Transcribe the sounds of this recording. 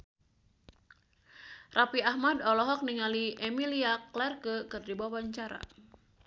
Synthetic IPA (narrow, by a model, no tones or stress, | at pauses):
rapiaɦmadɔlɔɦɔk̚niŋaliʔemiliaklɛrkəkərdibawaɲt͡ʃaɾa̰